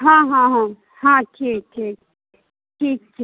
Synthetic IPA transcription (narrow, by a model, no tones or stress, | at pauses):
ɦãːɦãɦã | hãʈʰiːk̚ʈʰiːk̚ | ʈʰiːk̚ʈʰiː